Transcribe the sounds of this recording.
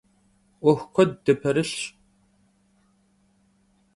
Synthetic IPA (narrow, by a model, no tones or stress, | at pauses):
ʔʷɔxʷkʷɔd̚ːɐpʰɐɾɨɬ